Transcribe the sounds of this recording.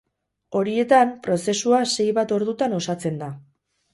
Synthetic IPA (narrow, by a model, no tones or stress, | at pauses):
o̞ɾie̞t̪ampɾo̞se̞suase̞jβat̪o̞ɾðut̪ano̞sat͡se̞nd̪a